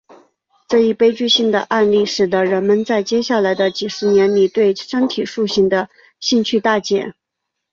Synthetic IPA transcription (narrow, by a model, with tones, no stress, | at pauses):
ʈ͡ʂɤ˥˧i˥˩pe˥ɪt͡ɕy˥˧ɕi˥˩ŋd̪ə̰˩ʔa˥˧nli˥˩ʂɻ̩˨˩t̪ə˦˥ɻə˧˥nmə˧nt͡sa˥˧ɪt͡ɕjɛ˥ɕja˥˩la˧˥ɪd̪ə˧t͡ɕi˨˩ʂɻ̩˧˥njɛ˧˥nli˨˩t̪we˥˩ɪʂə˥ŋt̪ʰi˨˩ʂu˥˧ɕi˥˩ŋd̪ə˩ | ɕi˥˧ŋt͡ɕʰy˥˧t̪a˥˩t͡ɕjɛ̰˨˩˦n